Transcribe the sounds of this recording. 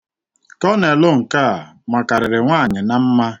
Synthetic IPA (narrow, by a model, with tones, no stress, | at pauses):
kɔ˦ne˨lʊ˦ŋ̩˨ka˦˨ | ma˨ka˨ɾɪ˨ɾɪ˨ŋʷaː˦˨ɲɪ˨na˦m̩˦ma˦